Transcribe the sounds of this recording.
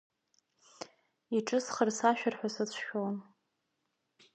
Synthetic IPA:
iʈ͡ʂʼɨsχərsaʃᶣarħʷᶣasɨt͡ɕʷʰʃᶣon

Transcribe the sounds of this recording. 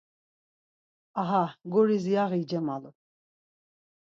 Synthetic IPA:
aɦaɡɔɾizijaʁid͡ʒɛmalṵ

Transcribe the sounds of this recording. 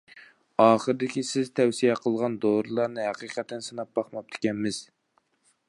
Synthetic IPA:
ɑːχəɾɨd̪ɪkʲisɪzt̪ʰɛwsijɛqʰəlˠʁɑnd̪oɾɨlˠɑɾnɨɦæqiqʰɛt̪ʰːɛnsɨnɑp̚bɑχmɑp̚t̪ʰɪ̥kʲɛnmɪz̥

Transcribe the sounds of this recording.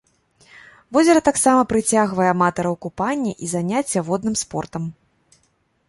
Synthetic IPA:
vɔzʲɐɾɐt̪aksamɐpɾɨt͡sʲaɣvɐjɛamat̪ɐɾɐwkupanʲːiʔizanʲat͡sʲːɐvɔd̪nɨmspɔrt̪ɐm

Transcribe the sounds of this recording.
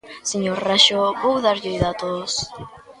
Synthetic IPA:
siɲoraʃobowðaɾjojðat̪os

